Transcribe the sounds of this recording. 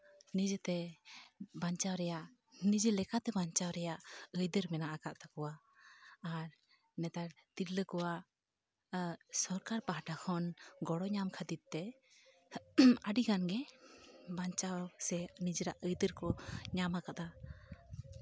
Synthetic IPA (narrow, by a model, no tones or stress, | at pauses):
nid͡ʒət̪ɛ | baɲt͡ʃawɾɛjaʔ | nid͡ʒəlɛkat̪ɛbaɲt͡ʃawɾɛjaʔəjd̪əɾmɛnaʔakaʔt̪akɔwaː | ɾ | nɛt̪aɾt̪iɾləkɔwaʔ | sɔɾkaɾpaɦaʈakʰɔnɡɔɽɔɲamkʰəd̪it̪̚t̪ɛ | əɖiɡanɡɛ | baɲt͡ʃawsɛnid͡ʒəɾaʔəjd̪əɾkɔɲamakat̪a